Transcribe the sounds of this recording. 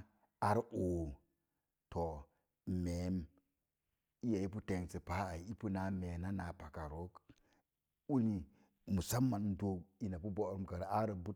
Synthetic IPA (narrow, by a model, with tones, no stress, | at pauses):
a˨ɾʔo˨ | to˨ | me˨˦m | i˦ja˨i˦pu˦te˨ŋsi˨pa˦a˨i˨i˦pu˦na˨˦me˨na˦na˨pa˨ka˨ɾo˦k | u˦ni˨ | mu˨sa˦mːa˨n˦do˦ki˦na˨pu˦bo˦˨ɾu˦mka˨ɾa˦ɾbu˦